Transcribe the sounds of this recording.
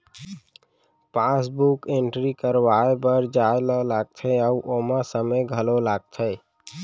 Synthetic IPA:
pasbukeɳʈɾikəɾʋaebəɾd͡ʒajləlaɡ̚t̪ʰəɪəuʔoməsəməjɡʱəlolaɡ̚t̪ʰəɪ

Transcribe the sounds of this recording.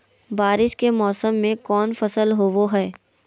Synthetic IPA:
baːɾɪʃkemɔːsəmːẽkɔːnfɐsəlɦoːʋoɦɛː

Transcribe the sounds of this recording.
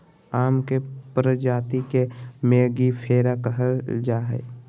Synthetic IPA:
aːmkepɾəd͡ʒaːt̪ikemeːɡipʰeːɾakəɦəld͡ʒaːɦɛ̰ː

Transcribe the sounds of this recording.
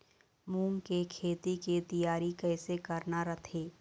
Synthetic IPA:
muːŋkekʰeːt̪ikit̪ɐjaːɾikɛːsekɐɾnaɾɐt̪ʰeː

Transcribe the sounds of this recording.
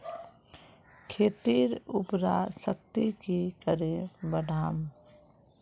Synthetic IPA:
kʰeːt̪iːɾupɾasək̚t̪ikikəɾẽbəɖʱaːm

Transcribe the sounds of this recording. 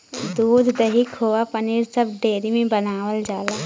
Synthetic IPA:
d̪uːd̪ʱd̪ɐɦikhoːapəniɾsəbɖeːɾimẽbənaːʋəld͡ʒaːlaː

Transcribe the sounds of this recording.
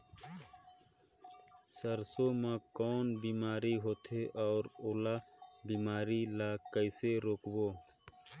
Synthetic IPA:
səɾsomãkɔːnbiːmaːɾiɦoːt̪ʰeʔɔːɾolabiːmaːɾilakəɪseɾoːkboː

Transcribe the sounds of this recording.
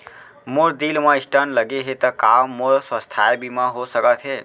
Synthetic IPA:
moɾd̪ilmãisʈənləɡeɦet̪əkamoɾswəst̪ʰaebimãɦosəkət̪ʰɦe

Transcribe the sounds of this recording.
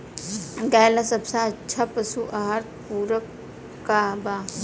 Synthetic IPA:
ɡaːjlasɐbsaətːt͡ʃʰapəsuʔɐɦaɾt̪̚puːɾəkː | aba

